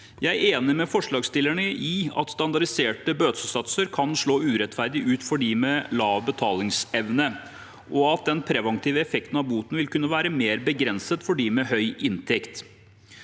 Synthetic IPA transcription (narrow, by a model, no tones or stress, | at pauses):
jæɪeːnɪmɛfɔʂɭɑːɡst̪ɪlːəɳəʔɪɑ̰t̪st̪ɑnd̪ɑɖɪseːʈəbøːt̪səsɑt̪səɾkʰɑnʂɭoːʉːɾɛt̪fæɾd̪ɪʔʉːt̪fɔɖiːmɛlɑːʋbət̪ʰɑːlɪŋsɛʋnə | ʔɔɑt̪̚d̪ɛnpʰɾɛʋɑŋt̪ʰiːʋəɛfɛkt̪nɑʋbuːt̪nʋɪlkʉnːəʋæːɾəmeːɾbəɡɾɛnsət̪fɔɖiːmɛɦœʏʔɪnt̪ʰɛkt̪